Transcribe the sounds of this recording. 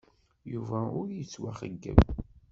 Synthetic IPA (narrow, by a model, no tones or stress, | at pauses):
juvæʊɾjət͡sːwæχə̰ɡːə̰v